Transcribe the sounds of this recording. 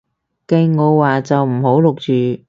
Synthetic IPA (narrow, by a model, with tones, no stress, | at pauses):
ke˧jŋɔː˨˧waː˨t͡sɐ˨wm̩˨˩ho˨˥wlʊ˨k̚t͡ʃyː˨